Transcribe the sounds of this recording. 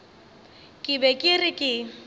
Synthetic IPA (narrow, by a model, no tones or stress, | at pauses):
kʼɪbɛkʼɪrɪkʼɪ